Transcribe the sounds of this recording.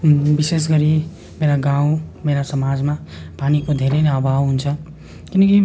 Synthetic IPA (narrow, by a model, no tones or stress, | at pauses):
bises̬ɡʌɾi | meɾaɡaũmeɾasʌmad͡zmapanikod̪ʱeɾenabʱabɦunt͡sʰʌ | kinʌki